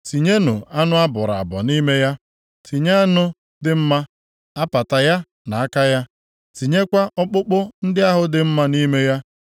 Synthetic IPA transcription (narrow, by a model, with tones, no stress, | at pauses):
ti˨ɲe˦nʊ˨a˦nʊ˦a˦bʊ˨ɾa˨a̰˨bɔ̰˨ni˦me˦ja˦ | tʰi˨ɲa˦a˦nʊ˦ | dɪ˦m̩˦ma˦ | a˦pa˨ta˨ja˦ | na˨a˦ka˦ja˦ | ti˨ɲe˦kʷa˦ʔɔ˦k͡pʊ˦k͡pʊ˦n̩˦dɪ˦a˦ɦʊ˦dɪ˨m̩˦ma˦ni˦me˦ja˦